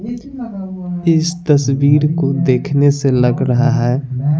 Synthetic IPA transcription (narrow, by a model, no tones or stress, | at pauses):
ɪst̪əswiːɾkod̪eːkʰneseləɡɾəɦaɦɛː